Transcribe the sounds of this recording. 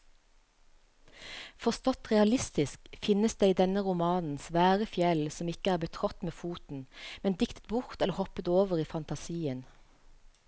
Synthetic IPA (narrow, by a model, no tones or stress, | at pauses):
fɔʁst̪ɔt̪ʁɛɑlɪst̪ɪskfɪnəsd̪eːiːd̪ɛnəʁʊmɑːnn̩sʋæːʁəfjɛlsɔmɪkəæːʁbət̪ʰʁɔt̪meːfuːt̪n̩mɛnd̪ɪkt̪ə̥t̪̚bʊʁt̪ɛləʁhɔpət̪oːʋəʁiːfɑnt̪ɑsiːən